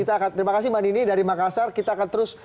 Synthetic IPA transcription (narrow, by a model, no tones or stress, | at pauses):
it̪aːkant̪əɾimakasɪhmaninidaɾimakasarkit̪aːkant̪əɾʊs